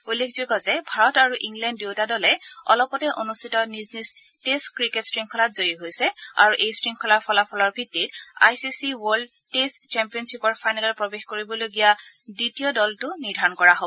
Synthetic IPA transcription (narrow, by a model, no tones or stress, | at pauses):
ulːekʰzokɔzɛbʱaɹɔtaɹuʔiŋɡlɛndːeʊtadɔlɛɔ̰lɔpɔtɛʔonustʰitɔniznis | testkɹiketsɹiŋkʰɔlatzojiɦojsɛa̰ɹuʔejsɹiŋkʰɔlaɹpʰɔlapʰɔlɔɹbʱitːita̰jsisiwɔɹld | test͡ʃɛmpijɔnsipɔɹpʰajnalɔɹpɹɔbexkoɹibɔloɡijaditijɔdɔltʊniɹdʱaɹɔnkɔɹaɦobɔ